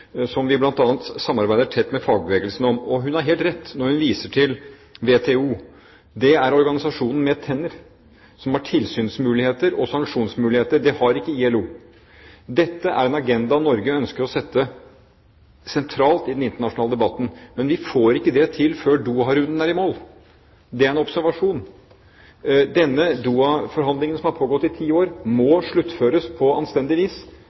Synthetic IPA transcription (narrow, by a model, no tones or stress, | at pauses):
sɔmʋɪblɑnt̪ɑːnt̪sɑmːɑɾbæɪd̪əʈʰɛt̪ːmɛfɑːɡ̚bəʋeːɡlsnɔmɔɦʉnæɾɦeːlt̪ɾɛt̪ːnɔɾhʉnʋiːsəʈʰɪl | ʋeːt̪ʰeːuː | d̪ɛæɾɔɾɡɑnɪsɑʂuːnn̩mɛt̪ʰɛnːəɾ | sɔmhɑʈʰɪlsyːnsmʉːlɪheːt̪əɾɔsɑŋkʂuːnsmʉːlɪheːt̪əɖ̪ɛhɑɾɪkːəiɛluː | d̪ɛt̪ːəʔæ̰ɾɛnɑɡɛnd̪ɑnɔɾɡəœnskəɾɔsɛt̪ːə | sɛnt̪ʰɾɑːlt̪ɪd̪ɛnɪnt̪əɳɑʂʊnɑːləd̪ɛbɑt̪ːn̩mɛnʋɪfoːɾɪkːəd̪ɛt̪ʰɪlføːɖuːɑɾʉnd̪ən̩æɾɪmoːl | d̪ɛæɾɛnɔbsæɾʋɑʂuːn | d̪ɛnːəd̪uːɑfɔɾɦɑnd̪lɪŋənsɔmhɑɾpʰoːɡɔt̪ːɪt̪ʰiːoːɾmɔʂɭʉt̪ːføːɾəspʰɔɑ̰nst̪ɛnd̪ɪʋiːs